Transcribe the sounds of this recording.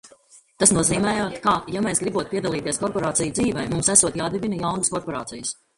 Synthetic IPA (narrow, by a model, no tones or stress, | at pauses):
t̪asnuɔziːmɛːjaːt̪kaːjameːsɡɾibuɔt̪̚piɛd̪alˠiːt̪iɛskɔɾpɔɾaːt̪sijud̪ziːvɛjmumsæsuɔt̪jaːd̪ibinɐjawnəskɔɾpɔɾa̰ːt̪ijəs